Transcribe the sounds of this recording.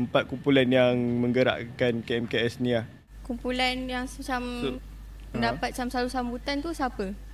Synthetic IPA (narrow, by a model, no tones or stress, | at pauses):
əmpat̪̚kumpulanjaŋmə̃ŋɡəɾa̰ʔkankeɛmkeɛsniah | kumpulanjaŋsət͡ʃam | əndapat̪̚t͡ʃamsalusambut̪ant̪usapə